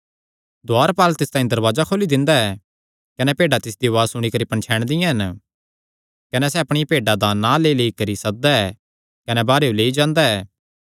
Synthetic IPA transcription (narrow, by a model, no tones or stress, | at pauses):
d̪ʊaːɾpaːlt̪ɪst̪aːĩd̪ɐɾʋaːzakʰoːlid̪ɪ̃nd̪aɛ | kɐnɛpeːɖat̪ɪsd̪iʋaːzsʊɽ̃ikɐɾipɐ̃ɳt͡ʃʰɛːɽ̃d̪ɪ̃jãɦɐn | kɐnɛs̬ɛɐpɽ̃ipeːɖad̪anãleːileːikɐɾisɐk̚d̪aɛː | kɐnɛbaːɾeoleːid͡ʒãːnd̪aɛː